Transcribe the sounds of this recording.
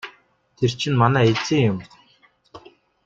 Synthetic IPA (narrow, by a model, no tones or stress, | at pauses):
t̪ʰer̥t͡ɕʰɪ̆nmanæːet͡siːŋjʊm